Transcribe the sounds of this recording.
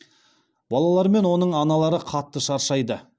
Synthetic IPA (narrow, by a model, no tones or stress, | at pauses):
bɑlˠɑlˠɑɾme̞nwo̞nəɴɑnɑlˠɑɾəqʰɑt̪ːəʃɑɾʃɑjd̪ə